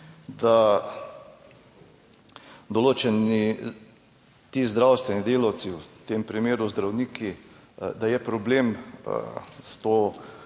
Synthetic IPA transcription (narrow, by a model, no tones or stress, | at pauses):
d̪a | d̪oloːt͡ʃɛni | t̪iːzd̪ɾawst̪ʋɛnid̪eːlawt̪siwt̪empɾimeːɾuzd̪ɾawniːkʰi | d̪ajɛpɾɔbleːm̰ | st̪oː